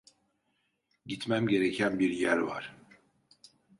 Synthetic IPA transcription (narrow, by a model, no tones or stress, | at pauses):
ɟit̪mæmɟe̞ɾecʰænbiɾjæɾva̰ɾ̥